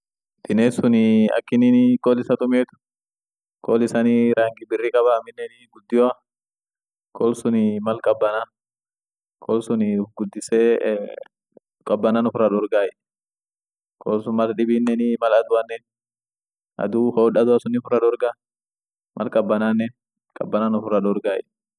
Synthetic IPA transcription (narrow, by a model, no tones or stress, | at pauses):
d̪ɪneːsʊnɪɐ̰kːɪnɪnɪkʼoːlɪsɐt̪ʊmeːt̪ʊ̥ | kʼoːlɪsɐnɪɾaːŋɡɪbɪrːɪkʼɐbaːmɪnːɛnɪɡʊd̪ːɪja | kʰoːlsʊnɪmɐlkʼɐbːɐna | kʰʼoːlsʊnɪɡʊd̪ːɪsɛ | kʼɐbːɐnanʊfʊrːɐᶑɔɾɡaːjɛ | kʰoːlsʊnmɐlᶑɪbinːɛnɪmɐlɐd̪ʊɐnːɛn | ʔɐ̰d̪uːhoːᶑɐd̪ʊɐsʊnɪfʊrːɐᶑɔɾɡa | mʔɐ̰lkʼɐbːɐnaːnːɛ | kʼɐ̰bːɐnanʊfʊrːɐᶑɔɾɡaːjɛ̰